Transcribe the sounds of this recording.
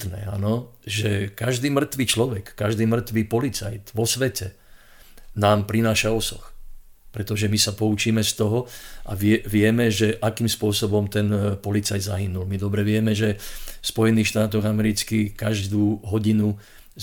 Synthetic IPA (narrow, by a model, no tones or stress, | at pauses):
t̪nɛ̰ːa̰nɔʒɛkaʒd̪iːmr̩t̪ʋiːt͡ʃlɔʋɛkːaʒd̪iːmr̩t̪ʋiːpɔlit͡sajt̪ʋɔsʋɛcɛ | naːmpɾinaːʃaɔsɔx | pɾɛt̪ɔʒɛmisapɔut͡ʃiːmɛst̪ɔɦɔʔa̰ʋɛʋɪɛmɛʒɛʔakiːmspʊɔsɔbɔmt̪ɛnpɔlit͡sajd̪zaɦinulmid̪ɔbɾɛʋɪɛmɛʒɛfspɔjɛniːxʃt̪aːt̪ɔɣamɛɾit͡skikaʒd̪uːɦɔɟinu